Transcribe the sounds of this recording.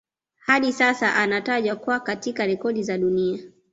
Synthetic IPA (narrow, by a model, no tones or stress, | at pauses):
haɗisasaʔanataʄwakwakatikaɾɛkɔɗizaɗunia